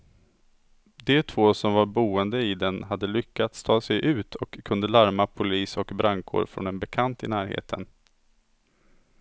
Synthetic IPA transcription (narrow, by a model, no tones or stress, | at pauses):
d̪ɛt̪ʰvoːsɔmvaɾbuːənd̪əɪd̪ɛnɦad̪ːəlʏkʰːat̪st̪ʰɑːsɛjʔʉ̟ːt̪ʰɔkʰːɵnd̪əlaɾmapʰʊliːsɔkbɾʔaŋkʰo̰ːɖfɾɔ̰nɛnbɛkʰant̪ɪnæːɾhḛːt̪ʰən